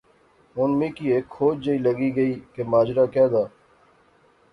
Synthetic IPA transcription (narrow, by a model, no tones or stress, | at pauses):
ʊnmẽːkiːeːkʰxoːd͡ʒd͡ʒəiːləɡiːɡəiːkemaːd͡ʒɾaːkɛːd̪aː